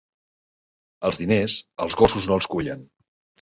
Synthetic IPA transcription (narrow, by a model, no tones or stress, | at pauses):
əlˠzðinezəlˠzɣosuznoəlˠskuʎən